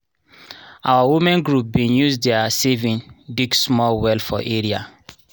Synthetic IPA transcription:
a̰wawumɛ̃nɡɹup̚bĩnjuzdɛasevĩnbiɡsmɔlwɛlfɔ̰ʔeɹia̰

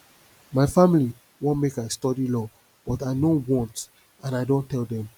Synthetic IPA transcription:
maɪfamili | wɔ̃nmekajstɔdilɔ | b̥ɔtaɪnowɔ̃nt | ãnaɪdõntɛldɛ̃m

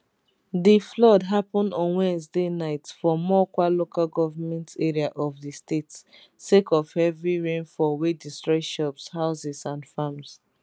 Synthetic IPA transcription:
diflɔdɦapɔ̃ndɔ̃nwɛ̃nzdenaɪtfɔmɔkwalokalɡɔvamɛ̃ntʰeɹiaʔɔfðistets | sekɔvɛvɹiɹẽnfɔwedistɹɛʃɔpshaʊsɛsãnfãms

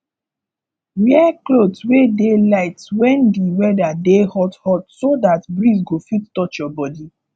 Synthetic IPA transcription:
mɛklodwedelaɪtwɛ̃ndiwɛdadehɔthɔtsodatbɹis̬ɡofitːɔt͡ʃjɔbɔdi

